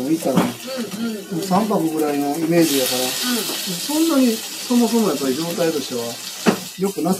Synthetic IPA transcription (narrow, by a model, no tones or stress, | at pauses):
it̪ːaɾae | sãmpamɯɡɯ̟ɾainoime̞ːd͡ʑijakaɾamosõ̞nːaɲ̟i | somos̬omojapːaɾʲid͡ʑo̞ːt̪ait̪o̞ɕt̪e̞βa | jo̞kɯ̟nas